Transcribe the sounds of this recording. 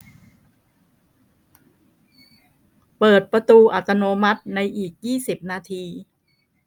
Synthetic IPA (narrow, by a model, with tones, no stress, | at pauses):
pɤː˨˩t̪̚pɾa˧t̪uː˧ʔa˨˩t̪ːa˧noː˧ma˦˥t̪̚na˧jʔiː˨˩k̚jiː˥˩si˨˩p̚naː˧t̪ʰiː˧